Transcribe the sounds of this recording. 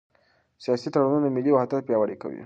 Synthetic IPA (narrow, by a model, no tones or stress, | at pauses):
sijasit̪ɐɽununamiliwaɦt̪əpjawəɽikɐ̰wḭ